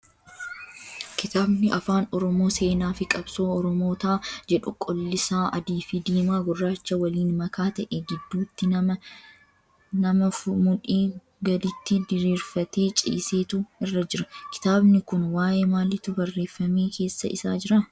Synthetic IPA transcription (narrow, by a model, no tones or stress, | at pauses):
kɪt̪aːbnɪʔɐfaːnɔɾɔmo̞ːse̞ːnaːfɪkʼɐbsoːɔɾɔmo̞ːt̪aːd͡ʒɛᶑʊkʼɔlːɪsaːʔɐd̪iːfɪd̪iːmaːɡʊrːaːt͡ʃːɐwɐliːnmɐkʰaːt̪ɐʔeɡɪd̪ːuːt̪ːɪɐɐ | nɐmɐmʊᶑiː | ɡɐd̪ɪt̪ːɪd̪ɪɾiːɾfɐt̪e̞ːt͡ʃʼɪ̰ːse̞ːt̪ʊɪrːɐd͡ʒɪɾɐkɪ̥t̪aːbnɪkʊnwaːʔeːmaːlɪt̪ʊbɐrːe̞ːfːɐmeːkʰe̞ːsːɐʔɪsaːd͡ʒɪɾɐ